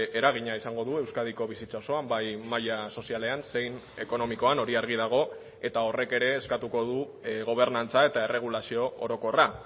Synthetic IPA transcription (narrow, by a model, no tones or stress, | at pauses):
e̞ɾaɣ̞iɲaisaŋɡo̞ðuewskað̞iko̞β̞isit͡sao̞so̞ambajmaʎaso̞siale̞anse̞jn | e̞ko̞no̞miko̞ano̞ɾiaɾɣ̞ið̞aɣ̞o̞ | e̞t̪ao̞re̞ke̞ɾe̞ːskat̪uko̞ðu | ɣo̞β̞e̞ɾnant͡sae̞t̪ae̞re̞ɣ̞ulasio̞oɾo̞ko̞ra